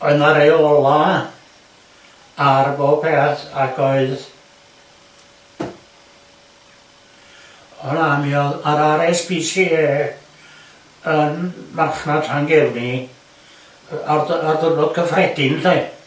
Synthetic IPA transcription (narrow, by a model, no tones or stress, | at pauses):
ɔɨnaɾejɔlˠa | arboːpʰeːaθaɡoɨð | ɔnamiɔaɾaɾɛspʰisieː | ənmarχnad̥raŋɡɛlˠni | ararðərbɔd̥kʰəfrɛdɪnθej